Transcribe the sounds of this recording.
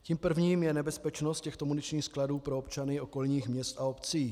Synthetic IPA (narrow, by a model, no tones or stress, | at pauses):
ciːmpr̩vɲiːmjɛnɛbɛspɛt͡ʃnost̪cɛxt̪omunɪt͡ʃɲiːxskladuːpɾoopt͡ʃanɪo̞ko̞lɲiːxmɲɛst̪ʔaopt͡siː